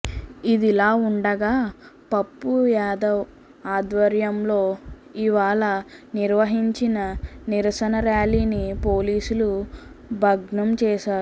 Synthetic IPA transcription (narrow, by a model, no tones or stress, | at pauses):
id̪ilaːuɳɖɐɡaːpɐpːujaːd̪ɐw | aːd̪ʋɐɾjɐmlo̞ː | iʋaːɭɐniɾʋɐɦiɲt͡ʃinɐniɾɐʃɐnɐɾjaːliːnipoːliːsulu | bʱɐɡɳɐmt͡ʃɛːʃaːɾu